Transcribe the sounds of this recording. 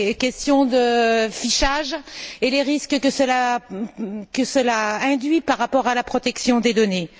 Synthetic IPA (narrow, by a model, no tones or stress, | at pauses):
kʲɛst̪jɔ̃d̪əfiʃaʒeleʁiskəkəsəla | kəsəlaɛ̃d̪ɥipaʁːapɔʁalapχɔt̪ɛksjɔ̃d̪ed̪ɔne